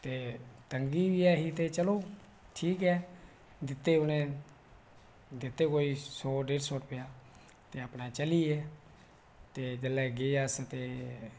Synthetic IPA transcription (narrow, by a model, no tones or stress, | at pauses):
t̪eːt̪əŋɡiːʋiɛːɦit̪eːt͡ʃəloː | ʈʰiːkɛː | d̪ɪt̪ːeːʊnẽː | d̪ɪt̪ːeːkoːiːsoːɖeːʈsoːʈpejaː | t̪eːəpnaːt͡ʃəliːɛː | t̪eːd͡ʒəlːɛːɡeːəst̪eː